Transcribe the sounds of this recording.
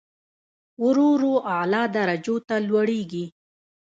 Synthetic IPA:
wʊɾoɾoʔalɑd̪aɾad͡ʒot̪alwaɽeɡi

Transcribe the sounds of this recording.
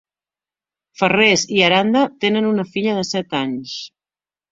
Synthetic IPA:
fəreziəɾand̪ət̪enənunəfiʎəðəsɛt̪aɲs

